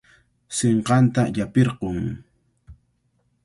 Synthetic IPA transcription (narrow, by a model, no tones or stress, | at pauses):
seɴqɑnt̪aʎapeɾqʊŋ